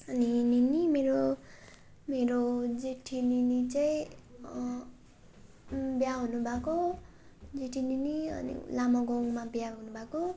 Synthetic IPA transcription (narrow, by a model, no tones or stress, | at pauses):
ʌnininimeɾo | meɾod͡zeʈʰininit͡saĩ | bjaɦunubʱako | d͡zeʈʰininiʌ̰nḭlamʌɡoŋmabjaɦunubʱako